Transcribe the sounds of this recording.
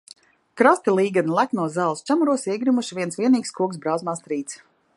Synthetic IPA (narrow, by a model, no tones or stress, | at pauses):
kɾast̪ʲilˠiːɡanlˠaknuɔzaːlˠst͡ʃʲamuɾuɔsiɛɡɾimuʃiviɛnsvʲiɛniːkskuɔksbɾawzmaːst̪ɾiːt̪s